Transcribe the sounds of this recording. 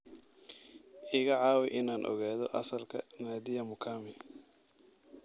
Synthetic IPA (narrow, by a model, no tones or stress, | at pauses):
ʔɪɣɐʕɑːwɪʔɪnaːnʔɔ̰ɣaːðɔʔɐsɐlkʰɐ̰naːd̪ɪjɐmʊkʰaːmɪ